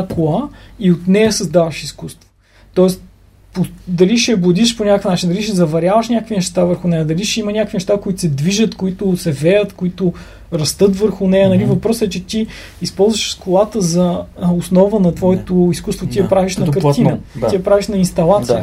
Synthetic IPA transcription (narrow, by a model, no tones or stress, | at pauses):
kolˠaiot̪nɛjəsɐzd̪avɐʃiskust̪vo̥ | t̪ɔɛst̪ | pod̪ɐliʃɐbʊd̪iʃponʲakəfnat͡ʃind̪ɐliʃɛzɐvɐɾʲjavəʃnʲakəkvʲinɛʃt̪avəɾxʊnɛjəd̪ɐliʃɛimɐnʲakəkvinɛʃt̪akʊit̪ʊ̥sɛd̪viʒət̪koit̪ʊsɛvɛjət̪koit̪ʊ | ɾɐst̪ɤt̪vəɾxʊnɛjənɐlivɐpɾɔsɛt͡ʃɛt̪i | ispɔlˠzvəʃskʊlˠat̪əzɐosnɔvənɐt̪vɔɛt̪ʊiskust̪vot̪iɐpɾaviʃnɐkəɾt̪inət̪ijɐpɾaviʃnɐinst̪ɐlˠat̪jə